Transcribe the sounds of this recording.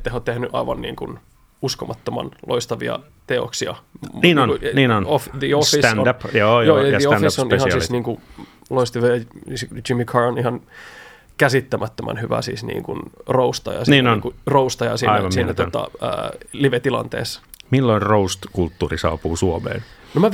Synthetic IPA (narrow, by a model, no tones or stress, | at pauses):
et̪ːæheot̪t̪ehnyʔɑ̰iʋɑnːḭːŋkun | uskomɑt̪ːomɑ̰nlʔoist̪ɑʋḭɑ̰ | t̪eoksiɑniːnonniːnonofd̪iosfist̪ːnodjoːjoːjjɑioisːonhɑnssisniːŋku | loist̪iʋeɑsd͡ʒimːikʰɑronihɑn | kæsit̪ːæmæt̪ːømʔæ̰nhyʋæ̰sḭːsnḭːŋkunroust̪ɑ̰jɑ̰sniːnonŋkuroust̪ɑjɑsiːɑnɑsiːnːæt̪ot̪ɑ̰ə̰ːliʋet̪ilɑ̰nt̪ḛːsː | milːoinroust̪kult̪ːuːrisɑ̰ːpuːsuomḛːlnomæ